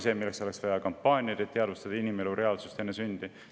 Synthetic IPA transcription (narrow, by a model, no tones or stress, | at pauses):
se̞ːmilːe̞kso̞le̞ksvɑjɑkɑmpːɑːnʲiɑd̪et̪e̞ɑd̪vust̪ɑd̪ɑinimeluɾe̞ɑlsust̪e̞nːesynd̪̥i